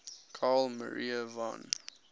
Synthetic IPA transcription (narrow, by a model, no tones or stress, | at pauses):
kʰɑːlmə̰ɹiəvã̰n